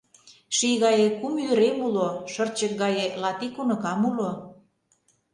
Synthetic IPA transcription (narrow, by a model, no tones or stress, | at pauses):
ʃijɣɑjekumjyɾemuloʃərt͡ɕək̚ɡɑjelɑt̪ikunɤ̆kɑmulo